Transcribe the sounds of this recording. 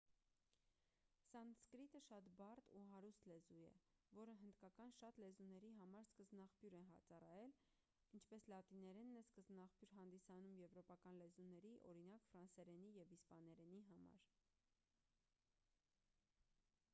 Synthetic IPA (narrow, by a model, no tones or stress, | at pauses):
sɑnskɾit̪əʃɑt̪bɑrt̪uɦɑɾust̪lɛzujɛ̰ | vɔɾəɦənd̪kɑkɑnʃɑt̪lɛzunɛɾiɦɑmɑɾskəzbnɑχpjuɾɛnɦɑt͡sɑrɑjɛl | int͡ʃʰpɛslɑt̪inɛɾɛnːɛskəzbnɑχpjuɾɦɑnd̪isɑnumjɛvɾɔpɑkɑnlɛzunɛɾiʔɔ̰ɾinɑkfɾɑnsɛɾɛnijɛvispɑnɛɾɛniɦɑmɑ̰ɾ